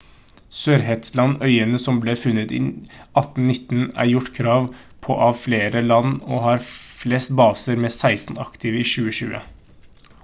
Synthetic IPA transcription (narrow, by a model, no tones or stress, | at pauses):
søːɾɦɛt̪slɑnœʏənəsɔmbleːfʉnːət̪ḭːɑt̪n̩nɪt̪ːnæ̰ɾjʊʈːkʰɾɑːʋ | pʰɔʔɑːʋfleːɾəlɑnoːhɑːɾfleːst̪bɑːsəɾmɛːsæɪsn̩ɑ̰kt̪ʰɪʋəiːʃʉːəʃʉ̰ːə̰